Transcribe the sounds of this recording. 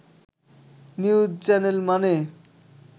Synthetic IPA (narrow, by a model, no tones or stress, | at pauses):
niud͡ʑt͡ɕɛnelmane